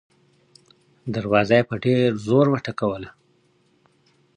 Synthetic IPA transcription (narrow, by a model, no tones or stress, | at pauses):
d̪aɾwɑzajpaɖeɾzoɾwaʈakawəla